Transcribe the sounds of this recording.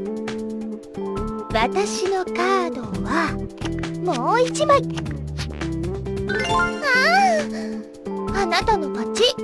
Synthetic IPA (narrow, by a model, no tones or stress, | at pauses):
βat̪aɕino̞kaːd̪o̞βa | mo̞ːit͡ɕimai | a | anat̪ano̞mat͡ɕi